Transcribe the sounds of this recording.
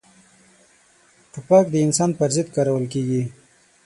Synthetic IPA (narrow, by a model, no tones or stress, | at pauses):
ʈupɑkd̪əɪnsɑnpəɾzɪd̪̚kɑɾawəlkeɡi